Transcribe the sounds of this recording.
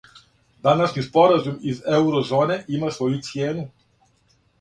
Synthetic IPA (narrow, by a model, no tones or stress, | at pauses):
d̪anaʃɲispoɾazumizɛuɾɔzoːnɛʔimasvojut̪sijeːnu